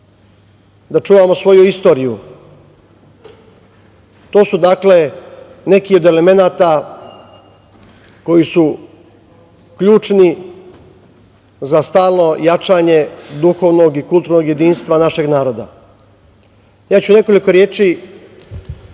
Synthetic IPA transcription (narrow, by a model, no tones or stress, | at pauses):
d̪at͡ʃuːʋamo̞sʋo̞juist̪o̞ːɾiju | t̪o̞ːsud̪akle̞ | ne̞kio̞d̪e̞le̞me̞naːt̪a | ko̞jisu | kʎuːt͡ʃni | zast̪aːlˠno̞jat͡ʃaːɲe̞d̪uxo̞ʋno̞ɡikulˠt̪uɾno̞ɡje̞d̪iːnst̪ʋanaʃe̞ɡnaːɾo̞d̪a̰ | jaːt͡ɕune̞ko̞liko̞ɾje̞ːt͡ʃi